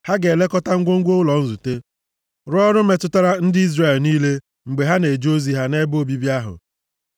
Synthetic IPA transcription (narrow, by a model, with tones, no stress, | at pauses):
ha˦ɡe˨le˦kɔ˦ta˦ŋ̩˦ɡʷo˦ŋ̩˦ɡʷo˦ʊ˦lɔ˨n̩˦zu˨te˦ | ɾʊ˦ɔ˦ɾʊ˦me˨tʊ˦ta˦ɾa˦n̩˦dɪ˦i˦zɾe˨lniː˦le˦ | ŋ͡m̩˨ɡ͡be˨ɦa˦ne˨d͡ʒo˦zi˨ɦa˦ne˦bo˦bi˦bja˦ɦʊ̰˨